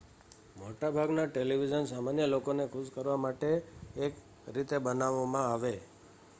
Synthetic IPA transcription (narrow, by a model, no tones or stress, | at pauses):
moʈabʱaɡnaʈeliʋid͡ʒənsamanjəlokonekʰuskəɾʋamaʈeːk | ɾit̪ebənaʋamãaʋe